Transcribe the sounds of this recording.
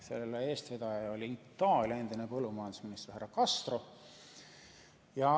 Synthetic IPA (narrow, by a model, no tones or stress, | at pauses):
se̞̰lelːee̞ːst̪ved̪̥ɑjɑolʲiit̪ːˑɑːlʲjɑe̞nd̪̥inepɤlːumɑjɑnd̪usminist̪e̥hærːɑkɑst̪ro | jɑ